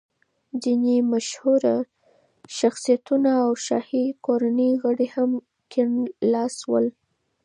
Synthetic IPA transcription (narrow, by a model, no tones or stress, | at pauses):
dinimaʃhuɾa | ʃaxsijat̪unaːwʃɑ̰hikoɾanəjɣəɽeham | kʰɪnːɑswə̰l